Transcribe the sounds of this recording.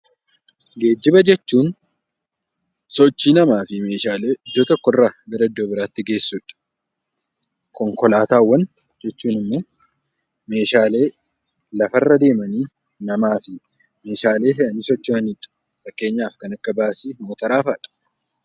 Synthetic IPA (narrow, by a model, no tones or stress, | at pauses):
ɡe̞ːd͡ʒːɪbɐd͡ʒɛt͡ʃːuːn | sɔt͡ʃːiːnɐmaːfɪme̞ːʃaːle̞ːʔɪd̪ːoːt̪ɔkːɔrːaːɡɐɾɐɪd̪ːo̞ːbɪɾaːt̪ːɪɡe̞ːsːuᶑɐ̥ | kɔŋkɔlaːt̪aːwːɐnd͡ʒɛt͡ʃːuːnɪmːo̞ː | me̞ːʃaːle̞ː | lɐfɐrːɐd̪e̞ːmɐniː | nɐmaːfɪ | me̞ːʃaːle̞ːɦɛʔɐniːsɔt͡ʃːɪmɐniᶑɐ̥ | fɐkːe̞ːɲːaːfkɐnɐkːɐbaːsiːmoːt̪ɐɾaːfɐᶑɐ̥